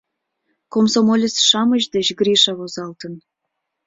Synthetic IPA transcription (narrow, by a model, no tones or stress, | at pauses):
komsomolʲəsʃɑməʑd̪et͡ɕɡɾiʃɑβozɑlt̪ən